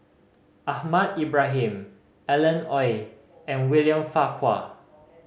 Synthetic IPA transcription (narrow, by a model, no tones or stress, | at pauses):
ʔahmadibɹaɦĩm | ɛlə̃nɔj | ɛ̃nwiljə̃mfakʰwa̰